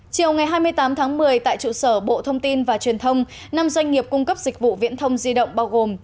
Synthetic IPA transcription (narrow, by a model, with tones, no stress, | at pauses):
t͡ɕi˨˩əwŋa˨˩jɦaː˧jmɨ˧əjt̪aː˨˦mt̪ʰaː˨˦ŋmɨ˨˩əjt̪a̰ː˧˨jt͡ɕṵ˧˨səː˧˩ɓo̰˧˨t̪ʰə˧wŋ͡mt̪i˧nvaː˨˩t͡ɕwi˨˩ənt̪ʰə˧wŋ͡m | na˧mzwa˧jŋ̟ŋi˨˩əp̚kʊ˧ŋ͡mkə˦˥p̚zï˨˩k̟̚vṵ˧˨vḭ˧˥ənt̪ʰə˧wŋ͡mzi˧ɗə̰˧˨wŋ͡mɓaː˧wɣo˨˩m